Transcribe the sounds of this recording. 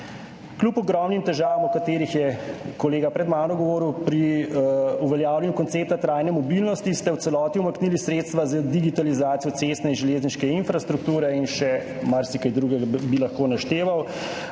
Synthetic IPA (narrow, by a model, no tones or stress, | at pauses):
klupɔɡɾɔmnimt̪ɛʒaːʋamɔkat̪eːɾixjɛkɔleːɡapɾɛd̪maːnɔɡɔʋoːɾuwpɾi | uʋɛljaːwlʲjɛnjukɔnt̪seːp̚t̪at̪ɾaːjnɛmɔbilnɔst̪ist̪ɛwt̪ɛlɔːt̪iumaknilisɾeːt̪st̪ʋazad̪iɡit̪alizaːt̪sijɔt̪sest̪nɛinʒɛleːzniʃkɛinfɾast̪ɾuk̚t̪uːɾɛinʃɛ | maɾsikajd̪ɾuːɡɛɡabilɐxkoːnaʃt̪eːʋaw